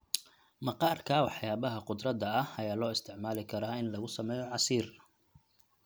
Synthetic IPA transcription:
mɐqɑːrkʰaːwɑħjaːβɐɦɐqʊd̪rɐd̪ɐɐhɐjaːlɔːɪst̪ʰɪʕmaːlɪkʰɐɾaːɪnlɐɣʊsɐmɛːjɔʕɑsiːr

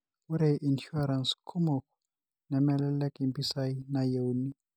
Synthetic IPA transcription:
wuɾeʔinʃuaɾanskʰumoku | nɛmɛlɛlɛkimbisainajewuni

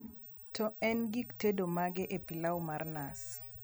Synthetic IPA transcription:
tʰɔɛnɡiktedomaɡɛʔepilawmarnas

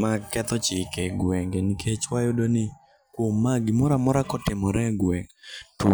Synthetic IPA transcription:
makɛt̪ɔt͡ʃɪkɛɡwɛŋɡenikʰet͡ʃwajʊdonɪ | kwomːaɡɪmɔɾamɔɾakɔtɪmɔɾɛɡwɛŋɡtʊ

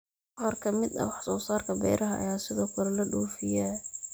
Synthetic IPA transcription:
ʁɐrkʰɐmɪd̪ɐ̰wħsɔːsaːrkʰɐbɛ̰jɾɐɦɐʔɐ̰jaːsɪðɔːkʰɐɾɐlɐɖuːfɪjɛː

